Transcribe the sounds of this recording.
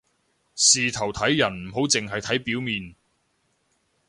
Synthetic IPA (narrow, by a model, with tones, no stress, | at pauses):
siː˨t̪ʰɐ˨˩wt̪ʰɐ˨˥jːɐ˨˩nm̩˨˩ɦo˨˥wt͡sɪ˨ŋɦɐ˨jt̪ʰɐ˨˥jpiː˨˥wmiː˨n